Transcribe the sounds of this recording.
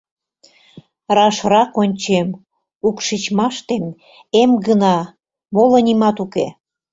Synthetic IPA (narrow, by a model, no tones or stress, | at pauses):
rɑʃrɑkonʲt͡ɕem | ukʃit͡ɕmɑʃt̪em | emɡənɑ | molə̆nʲimɑt̪uke